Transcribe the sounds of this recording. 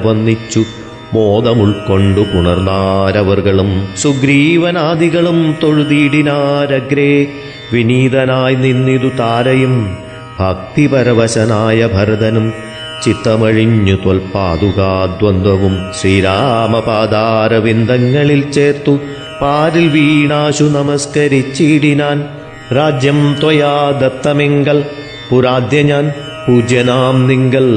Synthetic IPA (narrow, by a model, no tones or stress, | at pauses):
ʋɐnd̪it͡ɕːu | moːd̪ɐmuɭko̞ɳɖukuɳɐrnːaːɾɐʋɐrɣɐɭumsuɡɾiːʋɐnaːd̪ʱiɣɐɭumt̪oɻud̪iːɽinaːɾɐɡɾeː | ʋiniːd̪ɐnaːjninːid̪ut̪aːɾɐjum | bʱɐk̚t̪ipɐɾɐʋɐɕɐnaːjɐbʱɐɾɐd̪ɐnum | t͡ɕit̪ːɐmɐɻiɲːut̪ɐlpaːd̪uɣaːd̪ʋɐnd̪ɐʋumɕɾiːɾaːmɐpaːd̪aːɾɐʋind̪ʱɐŋːɐɭilt͡ɕeːrt̪u | paːɾilʋiːɳaːɕunɐmɐskɐɾit͡ɕːiɽinaːn | ɾaːd͡ʑjɐmt̪ojaːd̪ɐt̪ːɐmeŋɡɐɭ | puɾaːd̪jɐɲaːn | puːd͡ʑjɐnaːmniŋɡɐɭ